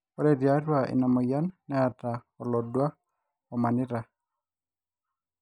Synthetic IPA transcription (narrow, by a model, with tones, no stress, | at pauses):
ɔ˦ɾɛ˦dja˨˦ɾwa˨ʔɪ̰˨na˨mɔ˨ja˦nːɛ˦a˨ta˨ | ɔ˨lɔ˨dwa˦ | ɔ˨ma˨nɪ˦ɾa˨